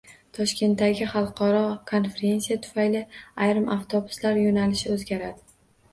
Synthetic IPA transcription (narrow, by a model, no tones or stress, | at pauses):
t̪ʰɒʃkʲʰe̞nt̪ːaɡʲɪχɑlˠqʰɒɾɒkʰo̞nfe̞ɾe̞nsijat̪ʰʊ̥fajlɪajɾɪmʔaft̪ʰobʊ̥slaɾjonalɪʃɪɵzɡʲaɾad̪ɪ